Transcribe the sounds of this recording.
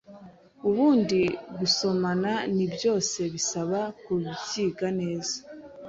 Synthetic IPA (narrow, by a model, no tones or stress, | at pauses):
uβuːndiɡuso̞mananibjo̞ːse̞βisaβakuβitiːɡane̞ːzḁ